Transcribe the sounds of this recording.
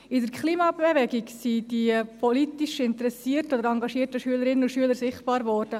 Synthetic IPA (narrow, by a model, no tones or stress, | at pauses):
ɪdəɾkʰχliːmɑbevɛɡiɡsid̥ipʰɔlitiʃɪntəɾɛsiːrtod̪əɾɑŋɡɑʃiːətəʃyələɾɪnənʊʃyələɾsɪχtb̥ɑːɾvɔːɾd̥ə